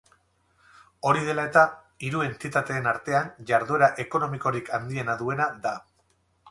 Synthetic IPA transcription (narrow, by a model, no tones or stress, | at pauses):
o̞ɾið̞e̞lae̞t̪a | iɾue̞nt̪it̪at̪e̞ːnaɾt̪e̞anʝaɾðue̞ɾaʔe̞ko̞no̞miko̞ɾikand̪ie̞naðue̞naða